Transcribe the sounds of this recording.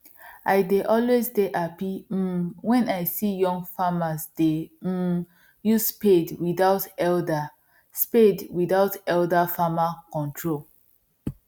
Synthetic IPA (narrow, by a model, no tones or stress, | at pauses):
ʔaɪdeʔɔlwezdeʔapi | wɛ̃naɪsijɔ̃ŋɡfamasde | juspedwiðaʊtɛlda | spedwiθaʊtɛldafamakɔ̃ntʰɹol